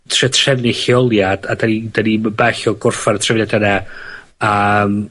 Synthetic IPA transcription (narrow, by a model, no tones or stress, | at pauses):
tʰrɛtʰr̥ɛvnɪɬɪɔlˠjad̥adanidaniməbaɬɔɡʊrfartʰrɛvnɛdɛnɛ | əm